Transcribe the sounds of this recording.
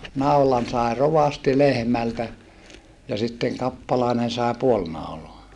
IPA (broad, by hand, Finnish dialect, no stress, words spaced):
nɑulɑn sɑˑe roʋɑsti lehmæltæ jɑ sitːeŋ kɑpːɑlɑˑenen sɑˑe puol nɑuloɑ